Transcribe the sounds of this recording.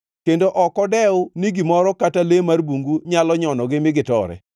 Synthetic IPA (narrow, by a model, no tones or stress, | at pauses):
kendoʔɔkɔdɛʊniɡɪmɔɾɔkatalemarbuŋɡuɲalɔɲɔnɔɡɪmɪɡɪtɔ̰ɾɛ̰